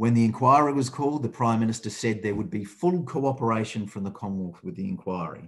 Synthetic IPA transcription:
wɨ̃nðiɨ̃nkʰw̥aɪəɹiwʌz̥kʰɔlˠd̪̚ðɨpʰɹ̥ãɪ̃mːɪ̃nɨstə˞sɛd̪̚ðə˞wəd̚bifʊlˠkʰoʊɑpə˞eɪʃɨ̃nfɹʌ̃mðəkʰɑ̃mwɔˑθwɨðiɨ̰̃nkʰw̥aɪə̰ɹḭ

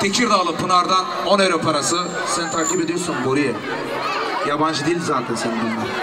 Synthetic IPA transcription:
t̪ʰecʰiɾd̪aːlˠɯpʰɯnaɾd̪an | oneɾopʰaɾasɯ | senit̪ʰaɾkʲibed̪ijoɾsunboɾijɛ | jaband͡ʒɯd̪ejilʲd̪zaːt̪ʰɛnsenibunmɛ

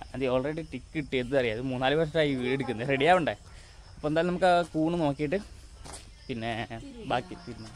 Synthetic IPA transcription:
ɐðio̞ːɭreɽiʈikːiʈːɨenːɨɐrijaːðmuːnːaːlɨʋɐʂ̬ɐʈaːjiʋieɽuk̬ʲːunːɐreɽijaːʋuɳɖe | ɐpːoed̪aːlnɐmukːɨkuːɳɨno̞ːkːijːiʈːɨ | pinːe̞baːkːitiɾnːu

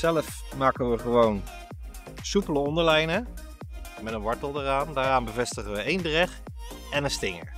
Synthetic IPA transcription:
sɛləf | maːkənʋəχəʋown | supələɔndəɹlɛjnə | mɛtənʋɑɹtəlˠdəraːndaːɾaːnbəvɛstəχəʋəejndrɛχ | ɛnənstɪŋə̰ɹ

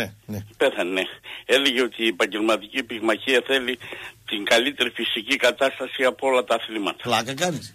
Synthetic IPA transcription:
pe̞θɐnenee̞le̞ʝeo̞t̪iːepɐɲɟe̞lmɐt̪icipiɣmɐçiɐθe̞lit̪iŋɡɐlit̪e̞ɾifisicikɐt̪ɐst̪ɐsiɐpoo̞lɐt̪ɐθlimɐt̪ɐ̥lɐkɐkɐnit

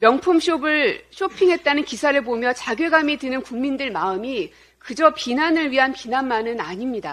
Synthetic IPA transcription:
mjʌŋpʰumɕʰobɯɭɕʰopʰiŋɦe̞t̚t͈anɯnkisʰaɾɯɭbomjʌt͡ɕaɡjeɡamidenɯnkuŋmindɯɭmaɯmi | kɯd͡ʑʌpinanɯɭɥiɦanpinanmanɯnaɲimɲida

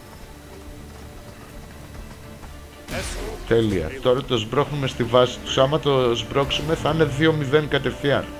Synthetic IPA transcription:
t̪e̞liɐ̰t̪o̞ɾɐt̪ozbɾo̞xnume̞st̪ivɐsi̥t̪u̥sɐmɐt̪o̞zbɾo̞ksime̞θine̞ðio̞miðe̞ŋkɐt̪e̞fiɐɾ

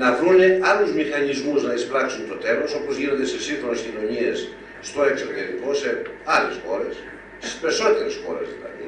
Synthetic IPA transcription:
nɐvɾuneɐluzmixɐnizmuznɐisplɐksunt̪o̞t̪e̞lo̞so̞pozʝinond̪esesiŋxɾonescino̞ɲiesː | t̪o̞eksoɾteɾiko̞se̞ɐle̞sxo̞̰ɾes | si̥speso̞t̪e̞ɾesxo̞̰ɾezðilɐ̰ði

